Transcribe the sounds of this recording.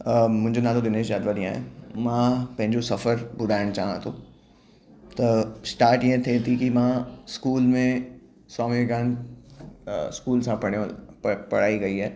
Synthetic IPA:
mʊ̃nd͡ʒenãːd̪od̪ɪneːʃjaːd̪ʋaɾiãɦɛ̰mãpɐ̃ɦɪ̃ɲd͡ʒosɐfəɾbʊd̪aːɪnt͡ʃaːɦã̰t̪ʰõː | t̪ɐsʈaːɾʈjeɦt̪ʰeːt̪ʰikimãskuːlmẽ | sɔːmikaːn | skuːlsãpɐɽepɐɽ̤aːiɡɐiɦɛː

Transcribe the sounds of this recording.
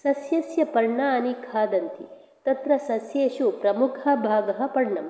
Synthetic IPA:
sɐsjɐsjɐpɐɾɳaːɐnikʰaːd̪ɐnt̪ḭ | t̪ɐt̪ɾɐsɐsjeːʃupɾɐmukʰɐbʱaːɡɐɦɐ̆pɐɾɳɐm

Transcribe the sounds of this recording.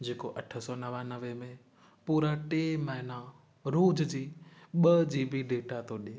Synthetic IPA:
d͡ʑeːkoʔɐʈʰə̆sɔːnɐʋanɐʋemẽ | puːɾaʈeːmɐɦɪna | ɾuːd͡ʑd͡ʑiːɓɐd͡ʑiːbiɖeːʈat̪ʰoɗieː

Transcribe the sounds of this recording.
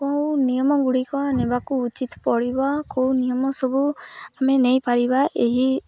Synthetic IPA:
kɔwnijɔmɔɡuɽikɔnɛbakɔːt͡ʃit̪pɔɽibakɔwnijɔmɔsɔbuamenejpaɾibaʔeɦi

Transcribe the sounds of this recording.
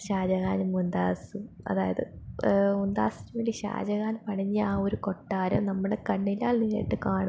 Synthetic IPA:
ɕaːd͡ʑɐɣaːnumund̪aːsɨ | ɐ̰ðaːjɐðɨ̰ | und̪a̰ːsi̥tːuʋeːɳɖiɕa̰ːd͡ʑɐɣaːnpɐʈʰɐɲːɨaːoɾuko̞ʈːaːɾɐmnɐmːɐɽekɐɳːilːaːɭniːɾḛːʈːɨkaːɳɐ

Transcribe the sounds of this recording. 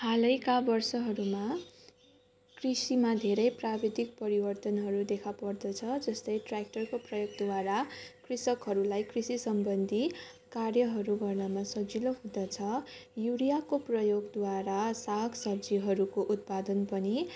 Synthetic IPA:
halʌjkabʌrsʌɦʌɾuma | krisimad̪ʱeɾʌjprabed̪ʱik̚pʌɾibʌrt̪ʌnɦʌɾud̪ekʰapʌrd̪ʌt͡sʰʌd͡zʌst̪ʌjʈrak̚ʈʌrkoprʌjoɡ̚d̪waɾakrisʌkɦʌɾulajkrisisʌmbʌnd̪ʱi | karjʌɦʌɾuɡʌrnʌmasʌbd͡ziloɦũd̪ʌt͡sʰʌjuɽijakoprʌjoɡd̪waɾasaksʌbd͡ziɦʌɾukoʔut̪̚pad̪ʌnpʌni

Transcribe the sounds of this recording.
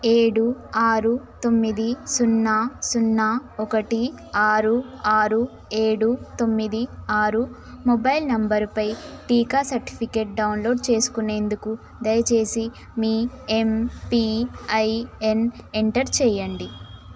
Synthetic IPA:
e̞ːɽuaːɾut̪o̞mːid̪isunːaːsunːaːɔkɐʈi | aːɾuaːɾu | e̞ːɽut̪o̞mːid̪iaːɾu | mobɐjlnɐmbɐɾpɐjʈiːkaːsɐɾʈi̥pʰike̞ːʈ̚ɖɐwnlo̞ːɖ̚t͡ʃe̞ːsu̥kune̞ːnd̪uku | d̪ɐjɐt͡ʃe̞ːsi | miːempiːɐjeneɳʈɐɾt͡ʃɛːjɐɳɖi

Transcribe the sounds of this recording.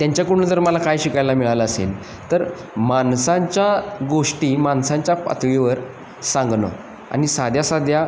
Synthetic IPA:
t̪jaɲt͡ɕjakuɽnəd͡z̪əɾməlakajɕikajlamiɭaləəsḛl | t̪əɾ | mansãɲt͡ɕjaɡoʂʈiːmansãɲt͡ɕjapa̰t̪ɭiʋəɾ | sãŋɡnə̰ | a̰ñisad̪ʱjasad̪ʱja

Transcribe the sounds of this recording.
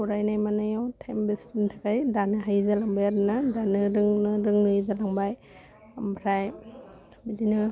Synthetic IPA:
uɾajnajmanajawtʰembistintʰakajdanɯɦajzalaŋbajaɾɯnadanɯɾɯŋnɯɾɯŋnɯzalaŋbaj | ambʰɾaj | bidinɯ

